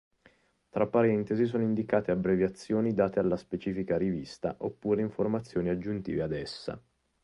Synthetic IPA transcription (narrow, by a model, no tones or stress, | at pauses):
t̪ɾapːaɾɛnt̪ezis̬oːnoind̪ikaːt̪eabɾevjat̪sːjoːnid̪aːt̪ealːaspet͡ʃiːfikaɾivist̪aʔopːuːɾeiɱformat̪sːjoːniad͡ʒːunt̪ḭːvead̪ɛsːa̰